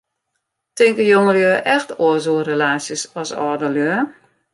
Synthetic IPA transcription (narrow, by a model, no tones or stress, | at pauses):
tɪŋkəjoŋəljøːʔɛxtʰoəzoːrelaːsjəsɔsɔːdəljøə